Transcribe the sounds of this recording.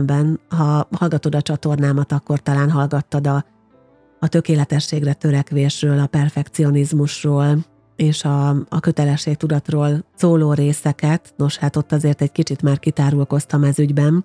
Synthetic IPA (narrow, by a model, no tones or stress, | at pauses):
mbɛnɦɒhɒlɡɒt̪o̞d̪ɒt͡ʃɒt̪o̞rnaːmɒt̪ɒkːo̞rt̪ɒlaːnɦɒlɡɒt̪ːɒd̪ɒː | t̪ø̞keːlɛt̪ɛʃːeːɡrɛt̪ø̞ɾɛkʋeːʃrøːlɒpɛrfɛkt̪sio̞nizmuʃroːl | eːʃɒːkø̞t̪ɛlɛʃːeːk̚t̪ud̪ɒt̪roːlsoːloːɾeːsɛkɛt̪no̞ʃhaːt̪o̞t̪ːɒzeːrt̪ɛɟkit͡ʃit̪maːrkit̪aːɾulko̞st̪ɒmɛzyɟbɛn